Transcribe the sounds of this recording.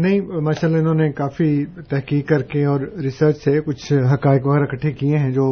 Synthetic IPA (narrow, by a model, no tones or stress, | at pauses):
nɐɦĩmaːʃaːlːaɪnɦõːnekaːfit̪ɛɦkiːkːɐɾkeɔːɾɾɪsəɾt͡ʃsekʊt͡ʃʰɦɐkaːɪkʋɐɣɛːɾɐkɐʈʰːekiẽɦɛ̃d͡ʒoː